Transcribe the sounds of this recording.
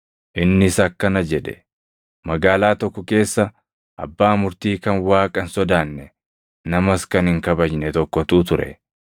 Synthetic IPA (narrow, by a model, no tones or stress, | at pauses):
ʔɪnːɪsɐkːɐnɐd͡ʒɛᶑɛ̥ | mɐɡaːlaːt̪ɔkːɔke̞ːsːɐ | ʔɐ̰bːaːmʊɾt̪iːkɐnwaːkʼɐnsɔd̪aːnːɛ | nɐmɐskɐnhɪŋkɐbɐd͡ʒnɛt̪ɔkːɔt̪uːt̪ʊɾɛ̰